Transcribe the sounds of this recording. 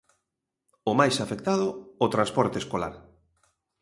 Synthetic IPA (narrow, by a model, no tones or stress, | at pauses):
ʊmajsafek̚t̪aðʊːt̪ɾãnspɔɾt̪eskola̰ɾ